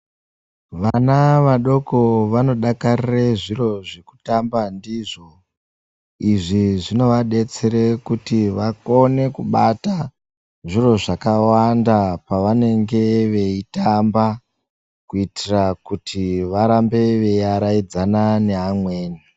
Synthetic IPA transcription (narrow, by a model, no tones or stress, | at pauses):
ʋanaʋaɗo̞ko̞ʋano̞ɗakarireʐiro̞ʐeku̥tambandiʐo̞ | iʐiʐino̞ʋaɗe̞t͡seɾekutiʋako̞ne̞kuɓata | ʐiro̞ʐakawandapaʋane̞ŋɡe̞ʋe̞itamba | kuitirakutʰiʋaɾambe̞ʋe̞aɾaid͡zanane̞ɦamwe̞ːni